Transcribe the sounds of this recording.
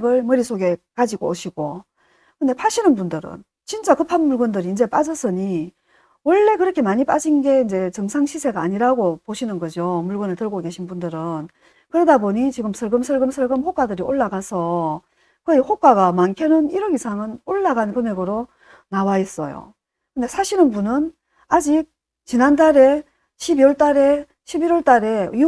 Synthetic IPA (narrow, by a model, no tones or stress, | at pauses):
ɡɯɭmʌɾisʰoɡe̞kad͡ʑiɡooɕʰiɡo | kɯnde̞pʰaɕʰinɯnbundɯɾɯ̰n | t͡ɕint͡ɕ͈akɯpʰanmuɭɡɯndɯɾiːnd͡ʑe̞p͈ad͡ʑʌs͈ʰɯɲi | wʌɭːe̞kɯɾʌkʰe̞maɲip͈ad͡ʑinɡe̞ind͡ʑe̞t͡ɕʌŋsʰaŋɕʰisʰe̞ɡaːɲiɾaɡopoɕʰinɯnɡʌd͡ʑomuɭɡɯnɯɭtɯɭɡoke̞ɕʰinbundɯɾɯn | kɯɾedaboɲit͡ɕiɡɯmsʰʌɭɡɯmsʰʌɭɡɯmsʰʌɭɡɯmɸok͈adɯɾioɭːaɡasʰʌ | kɯiɸok͈aɡamankʰjenɯniɾʌɡisʰaŋɯnoɭːaɡankɯmeɡɯɾo | nawais͈ʌ̰jo̰ | kɯnde̞sʰaɕʰiɾɯnbunɯn | ad͡ʑik̚ | t͡ɕinandaɾe̞ | ɕʰibiwʌɭt͈aɾe̞ | ɕʰibiɾwʌɭt͈aɾe̞i